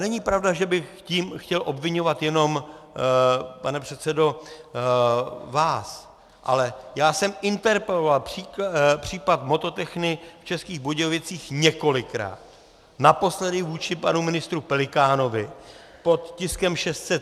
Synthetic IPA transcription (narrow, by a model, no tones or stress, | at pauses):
nɛɲɪpɾavdaʒɛbɪxciːmxcɛlʔo̞bvɪɲo̞vat̪jɛno̞m | panɛpr̝̥ɛt̪sɛdo̞ | vaːs | ʔa̰lɛjaːsɛmɪnt̪ɛɾpɛlovalpr̥iːpr̝̥iːpat̪mo̞t̪o̞t̪ɛxnɪft͡ʃɛskiːɣboɟovɪt͡siːxɲɛko̞lɪkɾa̰ːt̪ | napo̞slɛdɪvuːt͡ʃɪpanumɪnɪst̪ɾupɛlɪkaːno̞vɪpo̞t̪cɪskɛmʃɛst̪sɛt̪